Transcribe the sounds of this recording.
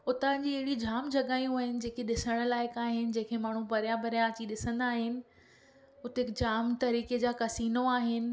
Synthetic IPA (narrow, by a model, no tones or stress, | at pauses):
ʊt̪ãd͡ʑiːɐɦɪɽid͡ʑʱaːmd͡ʑʱɐɠaːjũaːɦɪnɪ̆d͡ʑeːkʰeɗɪsəɽ̃̆laːɪkaːɦɪnɪ̆d͡ʑẽːkʰemaːɳ̤ũpɐɾijãbɐɾijãɐt͡ɕiɗɪsə̃nd̪aːɦɪnɪ̆ | ʊt̪eɪkd͡ʑaːmt̪ɐɾiːked͡ʑaːkɐsiːnoaːɦɪnɪ̆